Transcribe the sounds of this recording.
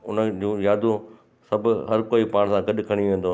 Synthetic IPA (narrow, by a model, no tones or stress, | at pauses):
ʊnəd͡ʑũːjaːd̪ũ | sɐbʊɦɐɾkoːipaːɽ̃sãɡɐɗkʰɐɽ̃iʋẽːnd̪oː